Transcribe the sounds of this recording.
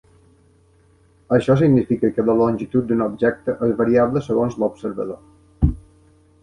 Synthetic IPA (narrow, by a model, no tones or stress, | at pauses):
əʃɔs̬iɡnifikəkələlonʲʒit̪ut̪̚d̪unobʒɛk̚t̪əʔezβəɾiaβləsəɣonzlobsəɾβə̰ðo